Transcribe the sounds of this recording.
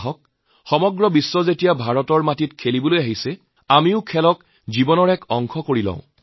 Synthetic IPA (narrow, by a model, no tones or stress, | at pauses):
ɦɔk̚ | xɔmɔɡɹɔbisːɔzetijabʱaɹɔtɔɹmatitkʰelibolojaɦisɛ | amiʊkʰɛlɔk | zibɔnɔɹɛkɔŋkʰɔkoɹilã̰ʊ̃